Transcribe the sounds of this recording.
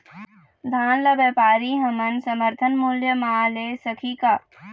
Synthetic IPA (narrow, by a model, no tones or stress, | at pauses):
d̪ʱaːnlɐʋjɐːpaːɾiɦɐmɐnsɐməɾt̪ʰənmuljəmaːleːsəkʰiːkaː